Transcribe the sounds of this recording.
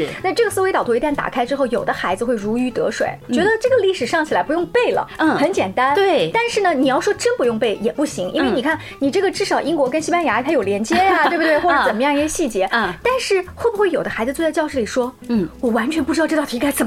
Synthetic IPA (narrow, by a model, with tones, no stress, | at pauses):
na˥˧ʈ͡ʂɤ˥˩ɡə˩sɹ̩˥we˧ɪt̪ɑ˨˩t̪ʰɔ˧˥i˧˥t̪a˥˩nt̪a̰˨˩kʰa˥ɪʈ͡ʂɻ̩˥xo˥˩ʊjo˨˩ʊd̪ə˦xa˧˥ɪd͡zɹ̩˧xwe˥˩ɪɻu˧˥y˧˥t̪ɤ̰˧˥ʂwḛ˨˩˦ɪt͡ɕɥɛ˧˥d̪ə˧ʈ͡ʂɤ˥˩ɡə˩li˥˩ʂɻ̩˨˩ʂɑ˥˩ŋt͡ɕʰi˨˩la˧˥ɪpu˧˥jʊ˥˧ŋpe˥˩ɪlə̰˩˥˩xə˧˥nt͡ɕjɛ˨˩nt̪a˥nt̪we˥˩t̪a˥˧nʂɻ̩˥˩nə˩ni˨˩jɑ˥˩ʊʂwɔ˥ʈ͡ʂə˥npu˧˥jʊ˥˧ŋpe˥˩ɪjɛ˨˩pu˥˩ɕi˧˥ŋʔḭ˥nwe˥˩ɪni˨˩kʰa˥˩n | ni˨˩ʈ͡ʂɤ˥˩ɡə˩ʈ͡ʂɻ̩˥˩ʂɑ˨˩ʊʔi˥ŋkwɔ˧˥kə˥nɕi˥pa˥nja˧˥˧t̪ʰa˥jo˨˩ʊljɛ˧˥nt͡ɕjɛ˥a˩t̪we˥˩bə˧t̪we˥˧xwʈ͡ʂɤ˧˥˩t͡sə˨˩mə˦jɑ˥˧ŋi˥ɕə˥˧˩ɕi˥˩t͡ɕjɛ˧˥˩t̪a˥˧nʂɻ̩˥˩xwo˥˩bu˧xwe˥˩jo˨˩ʊd̪ə˦xa˧˥ɪd͡zɹ̩˧t͡swt͡sa˥˧ɪt͡ɕɑ˥˧ʊʂ̩˥˩li˨˩ʂwɔ˥˩wɔ˨˩wa˧˥nt͡ɕʰɥɛ˧˥npu˥˩ʈ͡ʂɻ̩˥˧ʊʈ͡ʂ̪ɑ˥˩ʊ˧˥ka˥ɪt͡sə˨˩m